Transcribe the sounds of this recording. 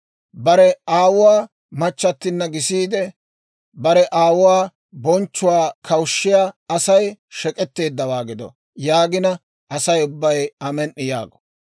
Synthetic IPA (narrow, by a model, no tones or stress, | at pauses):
bɐɾɛaːwʊwaː | mɐt͡ʃːɐt̪ːɪnːɐɡɪsiːd̪ɛ | bɐɾɛʔaːwʊwaː | bɔnt͡ʃːʊwaːkʰɐwʊʃːɪjaːɐsɐjʃɛkʼɛt̪ːe̞ːd̪ːɐwaːɡɪd̪ɔ̰ | jaːɡɪnɐ | ʔɐsɐjʊbːɐjɐmɛnʔːɪja̰ːɡɔ̥